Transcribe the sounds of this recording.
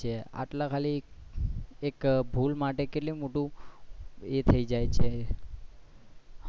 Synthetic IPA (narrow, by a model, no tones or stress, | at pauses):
ea̰ʈlãkʰali | ekbʱulmaʈekeʈlimoʈũ | et̪ʰəid͡ʒajt͡ʃʰe